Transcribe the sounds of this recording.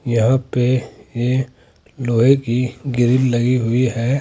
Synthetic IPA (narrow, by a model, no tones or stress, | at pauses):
jɐɦãpeje | loːɦẽkiɡɪɾɪllɐɡiɦʊiɦɛː